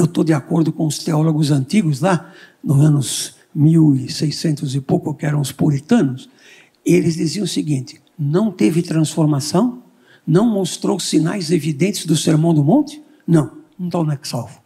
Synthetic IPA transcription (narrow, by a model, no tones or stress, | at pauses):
ewt̪od̪ɪakoɾd̪ʊkõʊst̪eɔloɡʊzɐ̃nt̪iɡʊzla | nʊzɐ̃nʊz | miwɪsejsẽnt̪ʊzɪpowkʊkɪɛɾɐ̃w̃ʊspuɾit̪ɐ̃nʊs | elɪzd̪iziɐ̃ʊsɪɡĩnt̪ɪ̥ | nɐ̃w̃t̪evɪt̪ɾɐ̃sfoɾmasɐ̃w̃ | nɐ̃w̃most̪ɾowsina̰jzevid̪ẽnt̪ɪzd̪ʊseɾmɐ̃w̃d̪ʊmõnt̪ɪ̥ | nɐ̃w̃nɐ̃t̪ãnɛkɪ̥sawvʊ̥